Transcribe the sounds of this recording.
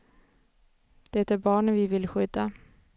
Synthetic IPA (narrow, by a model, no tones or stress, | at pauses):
d̪̥ɛɛt̪æɾbɑːɳənvɪvɪlɧʏd̪ːa